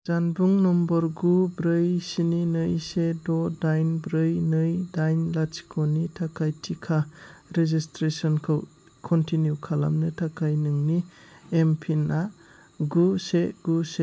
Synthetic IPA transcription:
zanbuŋnɔmbɔɾɡubɾɯjsininɯjsedɔdajnbɾɯjnɯjdajnlat͡ʃi̥kʰɔnitʰakʰajtʰikʰaɾezistɾesɔnkʰaw | kʰɔntinjukʰala̰mnɯtʰakʰajnɯŋniempʰina | ɡuseɡ̥use

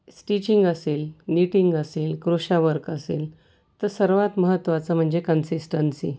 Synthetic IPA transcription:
sʈit͡ɕiŋɡəseːlniʈiŋɡəseːlkɾoɕaʋəɾkəseːl | t̪əɾsəɾʋat̪məɦət̪ːʋat͡səm̤əɳd͡ʑekənsisʈənsi

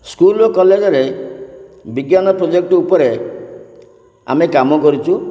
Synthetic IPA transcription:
skulɔkɔled͡ʒɔɾe | biɡjanɔpɾod͡ʒek̚ʈɔupɔɾe | a̰mekamɔkɔɾit͡ʃʰu

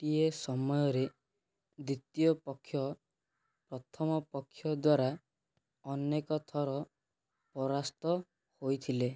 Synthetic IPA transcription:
ʈiesɔmɔjɔɾe | d̪it̪ijɔpɔkʰːjɔ | pɾɔt̪ʰɔmɔpɔkʰːjɔd̪waɾa | ɔnekɔt̪ʰɔɾɔ | pɔɾast̪ɔ | hojt̪ʰile

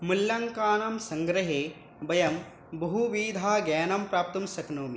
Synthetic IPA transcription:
muljɐŋkaːnɐmsɐŋɡɾɐɦeː | bɐjɐm | bɐɦuʋiːd̪ʱaːɡɛːnɐmpɾaːp̚t̪ɐmsɐknoːmi

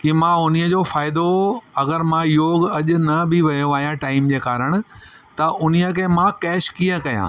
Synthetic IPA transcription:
kimãʊniəd͡ʑoːfaːɪd̪oɐɡəɾmãjoːɡɐʄʊ̆nɐbɪʋɐjoaːɦijãʈaːɪmd͡ʑeːkaːɾəɽ̃ʊ̆ | t̪ɐʔʊniəkẽmãkɛːʃkiːə̃kɐjã̰ː

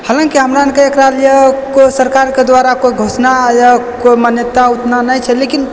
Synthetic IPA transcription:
hələ̃ŋkiɦəmɾaənkeekɾalijekosəɾkaɾked̪ʋaɾakoiɡʱosnajakoimanjət̪aut̪nanajt͡ʃʰɛlekin

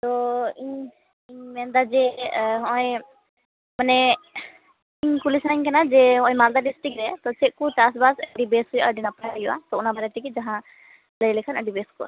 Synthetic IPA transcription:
t̪ɔiɲ | iɲmɛnd̪ad͡ʒɛɦɔj | manɛ | iɲkulisnaɲkanad͡ʒɛɦɔ̃jmald̪aɖisʈɾik̚ɾɛt̪ɔt͡ʃɛʔ̚kutasbasəɖibɛsujuʔaəɖinapajjuʔa̰t̪ɔunabaɾɛt̪ikid͡ʒaɦã | ləjlɛkʰanəɖibɛskuʔa̰

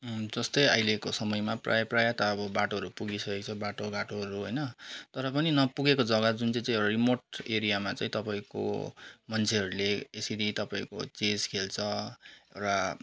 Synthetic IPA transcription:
d͡zʌst̪ʌja̰jlekosʌmʌjmaprʔa̰jprajat̪ʌːbʌbaʈoɦʌɾupuɡisʌkek̚t͡sʰʌbaʈoɡaʈoɦʌɾuɦʌjnʌt̪ʌɾʌp̬ʌninʌpuɡekod͡zʌɡʌd͡zunt͡saĩt͡sãĩewʈarimoʈeɾijamat͡saĩt̪ʌpaĩko̰mʌnt͡sʰeɦʌɾuleesiɾit̪ʌpaĩko̰t͡sed͡zkʰelt͡sʰʌḛwʈa

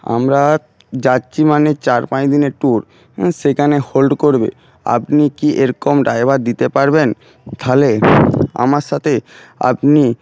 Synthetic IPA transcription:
a̰mɾa | d͡ʑatːɕimanet͡ɕaɾpãjd̪ineɾʈuɾ | ʃekʰaneholɖkoɾbḛ | a̰pnikiʔeɾkomɖaebaɾd̪it̪epaɾben | t̪ʰalea̰maɾʃat̪ʰe | a̰pni

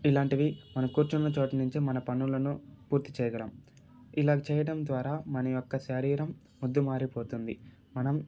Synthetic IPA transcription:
ilaːɳʈiʋimɐnɐmkuːɾt͡ʃɐnːɐt͡ʃoːʈɐnuɲt͡ʃimɐnɐpɐnːulɐnupuːɾt̪it͡ʃɛːjɐɡɐɽɐm | ilaːɡɐt͡ʃɛːjɐɽɐmd̪ʋaːɾaːmɐnɐjɔkːɐʃɐɾiːɾɐmːud̪ːumaːɾipo̞ːt̪und̪ḭ | mɐnɐm

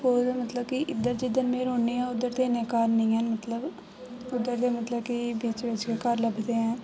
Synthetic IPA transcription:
koːd̪mət̪ləbkɪʔɪd̪ːəɾd͡ʒɪd̪ənmẽːɾɦoːɳːiːɛ̃ːʊd̪əɾt̪eːneːkaːɾnəĩːɦənmət̪ləb | ʊd̪ːəɾt̪eːmət̪ləbkɪbiːt͡ʃʋɪt͡ʃkekəɾləbd̪eːɛ̃ː

